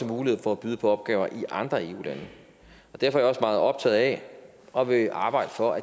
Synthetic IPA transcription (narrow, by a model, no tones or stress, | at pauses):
əmuːlihe̝ð̩ˠfɒæb̥yːð̞ˠpʰɒ̽ɒ̽b̥ɡ̥ɛ̰ːʊɐʔiʔɑ̈nd̥ʁɐe̝ːṵːlænə | ɒ̽d̥æɐfɒɐjɒ̽smɑ̈ːð̩ˠɒ̽b̥t͡sʰɛ̰ð̩ˠɛ | ɒ̽ʋe̝ʔɑ̈ːb̥ɑ̈ɪ̰d̥əfɒ̽ʔæ